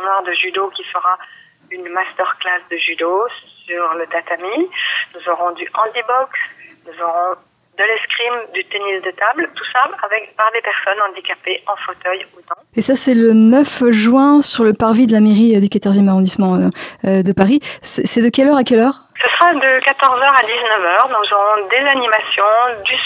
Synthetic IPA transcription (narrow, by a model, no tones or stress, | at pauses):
ɔ̃naʁd̪əʒyd̪okʲifəʁa | ynmast̪œʁklasd̪əʒyd̪osyʁlət̪at̪aminuzɔʁɔ̃d̪yʔɑ̃d̪ibɔksnuzɔʁɔ̃ | d̪əlɛskχimd̪yt̪enisd̪ət̪ablt̪usaavɛkpaʁd̪epɛʁsɔnɑ̃d̪ikapeʔɑ̃fot̪œjud̪ɑ̃esasɛlənœfʒɥɛ̃syʁləpaʁvid̪əlameʁid̪ykat̪ɔʁzjɛmaʁɔ̃d̪ismɑ̃ød̪əpaʁisɛsɛd̪əkʲɛlœʁakʲɛlœːʁ | səsχad̪əkat̪ɔʁzœʁad̪iznəvœːʁnuzɔʁɔ̃d̪ezanimasjɔ̃d̪ys